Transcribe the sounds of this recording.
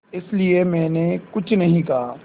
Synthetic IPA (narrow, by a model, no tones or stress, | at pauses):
ɪsliemɛ̃ːnekʊt͡ʃʰnɐɦĩkɐɦaː